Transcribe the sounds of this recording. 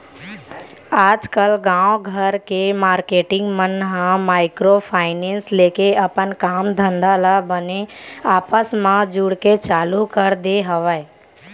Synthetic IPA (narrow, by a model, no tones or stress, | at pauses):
aːd͡ʒkəlɡãːoɡʱəɾkemaːɾkeːʈɪ̃ŋɡmənɦãmaːɪkɾopʰaːɪneːnsleːkeəpənkaːmd̪ʱə̃nd̪alabəneaːpəsmãd͡ʒʊɽket͡ʃaːlukəɾd̪eɦəʋəe